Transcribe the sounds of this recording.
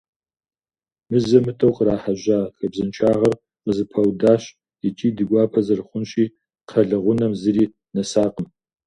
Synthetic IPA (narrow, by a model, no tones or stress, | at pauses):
mɨzɐmɨtʼʰɐwqʼəɾaːħaʒaːxɐbzɐnt͡ʃʰaːʁɐr | qʼəzɨpʰɐwdaːɕ | ɪt͡ʃʼiːdɨɡʷɑːpʰɐzɐrχʷʊnɕʼiː | qʰɐɮɐʁʷʊnɐmzɨɾiː | nɐsaːqʼəm